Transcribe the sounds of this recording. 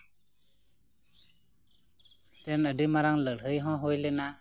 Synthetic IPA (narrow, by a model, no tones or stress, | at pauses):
tɛnəɖimaɾaŋləɽɦɯjɦɔ̃ɦojlena